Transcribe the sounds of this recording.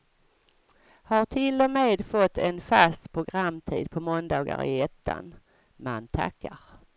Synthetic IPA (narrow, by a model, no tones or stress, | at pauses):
haʈʰɪlːɔmeːd̪fɔt̪ːɛnfast̪pʰɾʊɡɾamːt̪ʰḭːd̪̚pʰɔmɔnd̪ɑːɡa̰ɾɪ̰ɛt̪ʰːa̰n | mant̪ʰa̰kːaɾ